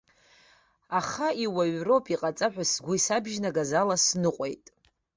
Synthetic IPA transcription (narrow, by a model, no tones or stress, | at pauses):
aχaiwaɥro̞pʰiqʼat͡sʼaħʷᶣasɡʷʊisabʒnaɡazalasnɨqʷʼe̞̰jtʼ